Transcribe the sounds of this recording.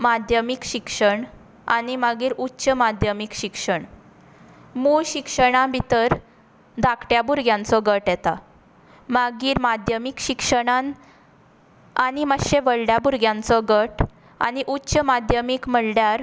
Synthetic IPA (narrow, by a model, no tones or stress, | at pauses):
mad̪ʱjəmikɕikʂəɳ | a̰ñimaɡiːɾutːɕəmad̪ʱjəmikɕikʂəɳ | muɭɕikʂəɽ̃ãbit̪əɾ | d̪ʱakʈjabuɾɡjãnt͡sɔɡəʈjɛt̪a | maɡiːɾmad̪ʱjəmikɕikʂəɽ̃an | aɽiməɕeʋəɭɖjabuɾɡjãnt͡sɔɡəʈ | a̰ñiʔutːɕəmad̪ʱjəmikməɽljaɾ